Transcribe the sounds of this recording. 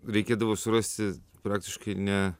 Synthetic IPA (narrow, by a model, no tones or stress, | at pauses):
ɾʲɛɪkʲeːd̪ɐʋoːsʊɾɐsʲt̪ʲɪpɾɑːk̚t̪ʲɪʃkɐɪnʲɛ